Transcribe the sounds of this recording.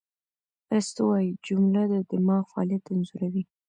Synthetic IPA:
mɾəst̪owɑjid͡ʒʊmlad̪əd̪ɪmɑɣfɑɑ̰ljat̪ːanzuɾawi

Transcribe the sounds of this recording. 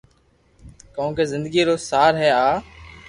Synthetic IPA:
kəõːkeːzɪ̃nd̪əɡiːɾoːsaːɾɦɛːaː

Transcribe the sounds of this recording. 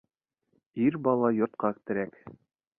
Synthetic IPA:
iɾbɑlˠɑjŏɾt̪̚qɑkt̪ɘ̆ɾæk

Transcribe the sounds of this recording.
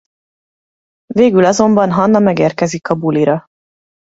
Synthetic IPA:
veːɡylɒzo̞mbɒnɦɒnːɒmɛɡeːrkɛzikɒbuliɾɒ

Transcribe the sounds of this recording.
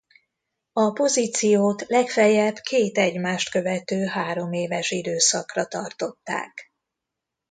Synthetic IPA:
ɒpo̞ziːt̪sijoːt̪lɛkfɛjɛbkʰeːt̪ɛɟmaːʃt̪kø̞vɛt̪øːɦaːɾo̞meːvɛʃid̪øːsɒkrɒt̪ɒrt̪o̞t̪ːa̰ːk

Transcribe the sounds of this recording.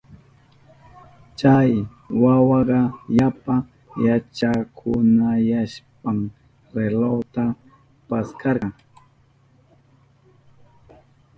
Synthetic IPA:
t͡ʃaj | wawɑɢɑjapa | jat͡ʃakʰʊnajaʃpam | ɾelot̪a | paskɑɾɢɑŋ

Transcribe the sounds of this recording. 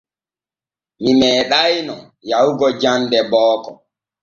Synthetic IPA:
mimɛːɗajnɔ | jawuɡɔd͡ʒandɛbɔːkɔ

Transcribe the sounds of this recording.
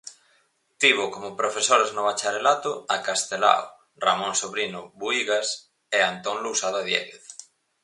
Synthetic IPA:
t̪iβʊkomʊpɾofesoɾaznoβat͡ʃaɾelat̪ʊakast̪ela̰o | ramõnsoβɾinʊβuiɣas | eant̪oŋlusaðaðjɛ̰ɣeθ

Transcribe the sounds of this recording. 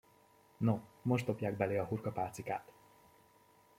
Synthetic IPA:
nomo̞ʒd̪o̞pjaːɡ̚bɛleɒɦurkɒpaːt̪sika̰ːt̪

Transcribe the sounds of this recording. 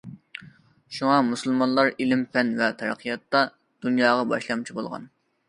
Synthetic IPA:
ʃuŋɑmusɨlˠmɑnlˠɑɾilɪmpɛnvɛt̪ʰɛɾə̰qʰijɑt̪ːɑ | d̪̥unjɑːʁɑbɑ̰ʃlˠɑmt͡ʃʰibolˠʁɑ̰n

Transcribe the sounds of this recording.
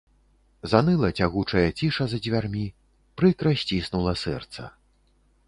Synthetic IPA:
zanɨlˠɐt͡sʲaɣut͡ʂɐjɐt͡sʲiʂɐzɐd͡zʲvʲarmʲi | pɾɨkɾɐsʲt͡sʲisnulˠɐsɛ̰rt̪sɐ̰

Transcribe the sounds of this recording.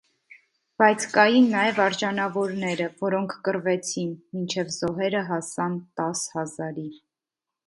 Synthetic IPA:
b̥ɑjt͡sʰkɑjinːɑjɛvɑɾʒɑnɑvɔɾnɛɾəvɔɾɔŋkʰkəɾvɛt͡sʰinmint͡ʃʰɛvzɔɦɛɾəɦɑsɑnt̪ɑshɑzɑɾi

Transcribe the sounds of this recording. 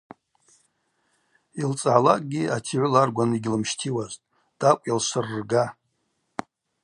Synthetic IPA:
ilt͡sʼʕalakʼɡʲiatʰiʕʷʊlarɡʷanɨiɡʲlɨmʃtʰiwaztʼ | d̥akʷʼjalʃʷɨrːɡa

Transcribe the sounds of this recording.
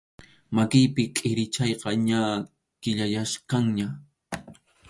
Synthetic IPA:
makɪjpɪkʼɪɾɪt͡ʃɑjqɑɲa | kɪʎajaʃkɑŋɲa

